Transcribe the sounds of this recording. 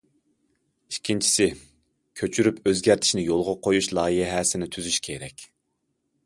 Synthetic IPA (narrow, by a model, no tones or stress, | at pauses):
iʃkʲʰːint͡ʃʰi̥sɪ | kʲʰøt͡ʃʰyɾypʰøzɡʲæɾt̪ʰɪ̥ʃnɪjolˠʁɑqʰojuʃlˠɑːjiɦɛɦɛsɪnɪt̪ʰyzyʃkʲʰeɾɛkʲ